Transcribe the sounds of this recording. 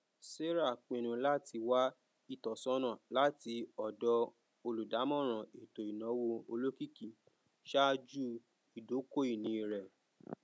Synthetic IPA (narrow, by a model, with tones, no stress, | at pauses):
se˦ɾa˦˨k͡pĩ˨ñũ˧la˦ti˧wa˦ | i˧˨tɔ˨sɔ̃˦nã˦˨la˦ti˧ɔ˨dɔ˧ | o˧lu˨da˨˦mɔ̃˦˨ɾ̃ã˨e˨to˨i˨nɔ̃˨˦wo˧o˧lo˦ki˦˨ki˨ | ʃa˦d͡ʒu˦ | i˨do˨˦ko˦i˦˨nĩ˨˦i˧˨ɾɛ˨